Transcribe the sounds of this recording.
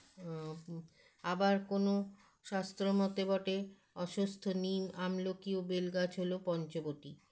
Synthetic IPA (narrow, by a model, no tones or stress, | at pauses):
abaɾkono | ʃast̪ɾomɔt̪ebɔʈe | ɔʃost̪ʰoniamlokiobelɡat͡ɕɦolopɔnt͡ɕoboʈi